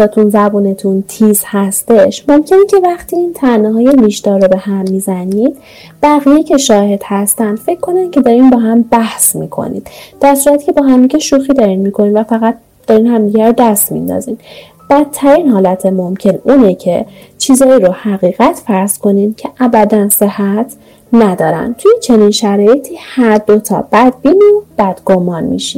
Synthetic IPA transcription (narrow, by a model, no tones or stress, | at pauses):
ɒːt̪ʰunzæbuːne̞t̪ʰunt̪ʰiːzhæst̪e̞ʃmo̞mcʰe̞necʰe̞væχt̪ʰiːiːnt̪ʰænːɛɦɒːje̞niʃd̪ɒːɾːobe̞hæmːizæniːd̪̥ | b̥æɣijecʰe̞ʃɒːhe̞d̪̥hæst̪ænd̪fe̞cʰːo̞næn̥cʰe̞d̪ɒːɾimbɒːɦæmbæhsmḭkʰo̰nḭd̪̥d̪̥æɾsuːɾæt̪ʰi̥cʰe̞bɒːɦæmd̪iɟeʃuːxiːd̪ɒːɾinmikʰo̞ninvæfæɣæt̪̚ | d̥̪ɒːɾiːnhæmd̪iːɟæɾd̪æst̪mḭnd̪ɒ̰ːzḭːm | b̥æt̪ʰːæɾiːnhɒːlæt̪ʰemomcʰe̞nuːnecʰe̞ | t͡ʃʰiːzɒːiɾohæɣiːɣæt̪ʰfæɾskʰo̞nimcʰe̞ʔæbæd̪ænse̞hæt̪ʰ | næd̪ɒːɾæ̰nt̪ʰujet͡ʃʰe̞ninʃæɾɒːje̞t̪ʰiːhæɾd̪o̞t̪ʰɒ̰b̥æd̪̚biːnib̥æd̪̥ɡomɒːnmḭʃḭn